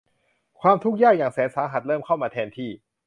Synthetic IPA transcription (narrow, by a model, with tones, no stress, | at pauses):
kʰwaː˧mt̪ʰu˦˥k̚jaː˥˩k̚jaː˨˩ŋsɛː˨˩˦nsaː˩˦ɦa˨˩t̪̚lɤː˥˩mkʰa˥˩wmaː˧t̪ʰɛː˧nt̪ʰiː˥˩